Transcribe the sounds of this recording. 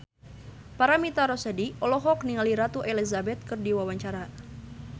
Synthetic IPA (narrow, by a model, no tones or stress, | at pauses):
paɾamit̪aɾɔsadiɔlɔɦɔk̚niŋaliɾat̪uʔɛlizabɛt̪̚kɨrdiwawaɲt͡ʃaɾa